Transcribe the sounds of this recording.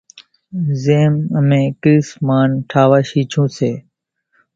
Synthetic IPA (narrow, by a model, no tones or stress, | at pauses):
zeːməmẽːkɾiːsmaːnʈʰaːʋaːʃiːt͡ʃʰũːseː